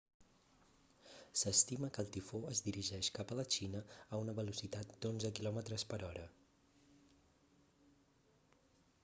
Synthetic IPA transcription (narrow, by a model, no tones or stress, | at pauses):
səst̪iməkəlˠt̪ifoəzd̪iɾiʒɛʃkapələt͡ʃinəːunəβəlusit̪at̪̚d̪onzəkilɔmət̪ɾəspəɾɔɾə